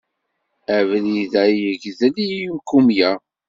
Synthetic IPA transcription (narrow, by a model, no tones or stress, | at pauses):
ævliðæjəɡðəliumkumjæ